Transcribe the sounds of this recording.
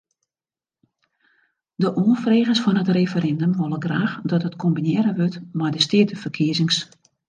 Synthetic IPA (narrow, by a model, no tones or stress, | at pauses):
dəʔoənfreːɣəsfɔnɦətrefəɾɛndəmʋɔlˠəɡraːxdɔtɦətkʰombinɪəɾəʋøtmajdəstɪətəfərkʰiəzɪŋs